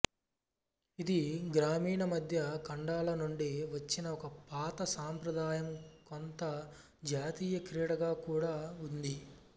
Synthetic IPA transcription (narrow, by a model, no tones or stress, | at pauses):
id̪iɡɾaːmiːɳɐmɐd̪ʱjɐkɐɳɖaːlɐnuɳɖiʋɐt͡ʃːinɐɔkɐpaːt̪ɐsaːmpɾɐd̪aːjɐmkont̪ɐ | d͡ʒaːt̪iːjɐkɾiːɽɐɡaːkuːɽaːund̪i